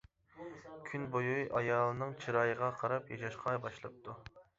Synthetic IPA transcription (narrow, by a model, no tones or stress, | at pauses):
kʲʰynbojujʔɑjɑːlˠɨnɨŋt͡ʃʰiɾɑjəʁɑqʰɑɾɑpjɑʃɑʃqʰɑbɑʃlˠɨp̚t̪ʰu